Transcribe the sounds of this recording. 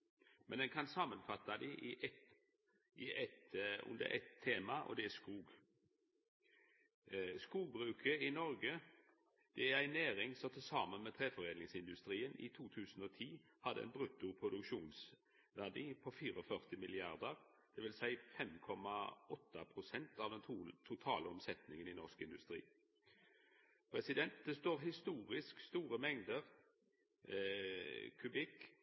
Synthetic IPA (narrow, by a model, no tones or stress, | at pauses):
mɛnd̪ɛnkʰɑnsɑmənfɑt̪ːɑd̪ɪʔɪʔɛt̪ | ʔɪʔɛt̪ʉ̰nd̪ə̰ɾʔɛ̰t̪ʰːeːmɑʔɔ̰d̪ɛæskuːɡ | skuːɡ̚bʁʉːkʰəɪnɔɾɡə | d̪̥ɛæɾæɪnæːɾɪŋsɔt̪ʰɪlsɑːmənmɛt̪ʰʁeːfɔʁeːnɪŋsɪnd̪ʉst̪ʁiːənɪ̰t̪ʰuːt̪ʰʉːsən̩ɔːt̪ʰiː | hɑd̪əɛ̰nbʁʉt̪ːʊpʰʁʊd̪ʉkʃuːns | ʋæʁd̪iːpʰɔfiːʁɔfœʁt̪ɪmɪlɪɑʁd̪əʁ | d̪̥ɛʋɪlsæɪfɛmkʰɔmɑɔt̪ːəpʰʁʊsɛnt̪ɑʋd̪ɛnt̪ʰut̪ʰʊt̪ʰɑːləɔmsɛt̪nɪŋənɪnɔʂkɪnd̪ʉst̪ʁḭː | pʰʁɛsɪd̪ɛnt̪̚d̪ɛst̪oːʁɦɪst̪uːʁɪskst̪uːɾəmɛŋd̪əʁ | kʰʉbɪk